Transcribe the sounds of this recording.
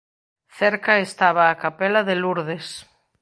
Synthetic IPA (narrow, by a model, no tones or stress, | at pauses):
θɛɾkɐest̪aβaːkapelaðeluɾðes